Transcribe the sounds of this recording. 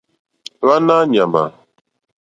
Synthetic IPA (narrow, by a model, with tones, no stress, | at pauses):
βa˦na˦ɲa˨ma̰˨